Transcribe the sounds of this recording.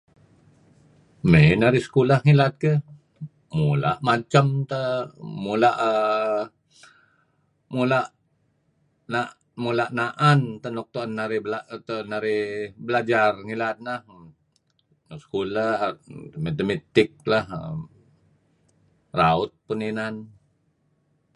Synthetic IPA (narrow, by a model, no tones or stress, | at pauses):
menaɾɪhsə̥kulahŋilat̪̚kə | mula̰ʔmat͡ʃəmt̪əmulaʔə | mulaʔ | naʔ | mulaʔnaʔant̪ənɔk̚t̪uanːaɾɪblat̪ənaɾɪhbəlad͡ʒarŋilat̪̚nah | nksə̥kula | met̪əmet̪ɪk̚lahə̰ | raʊt̪̚pəninan